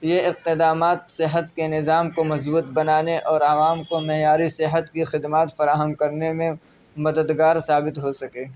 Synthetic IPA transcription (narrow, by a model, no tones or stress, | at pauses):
jeɪq̚t̪ɪd̪aːmaːt̪sɪɦət̪kenɪzaːmkomɐzbuːt̪̚bɐnaːneʔɔːɾɐʋaːmkomɛɦjaːɾisɪɦət̪kixɪd̪maːt̪fɐɾaːɦəmkɐɾnemẽ | mɐd̪əd̪ɡaːɾsaːbɪt̪ɦosɐkeː